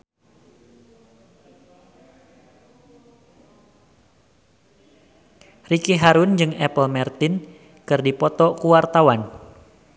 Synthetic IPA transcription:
rikiɦaɾund͡ʒɨŋɛpəlmɛrt̪ɪn | kɨrdipɔt̪ɔkuwart̪awan

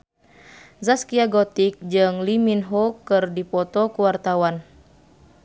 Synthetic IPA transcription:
zaskiaɡɔt̪ik̚d͡ʒɨŋliminɦɔkɨrdipɔt̪ɔkuwart̪awan

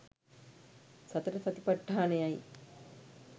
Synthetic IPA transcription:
sɐt̪əɾəsɐt̪ipaʈːaːnəjaj

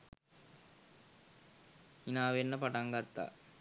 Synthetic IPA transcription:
inaːʋenːɐpɐʈɐŋɡɐt̪ːa̰ː

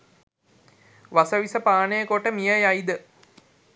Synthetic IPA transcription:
ʋasəʋisəpaːnəjəkoʈəmijajajd̪ə

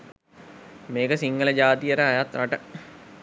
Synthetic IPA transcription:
meːkəsiŋɡələd͡ʒaːt̪ijəɾəajat̪ɾaʈə

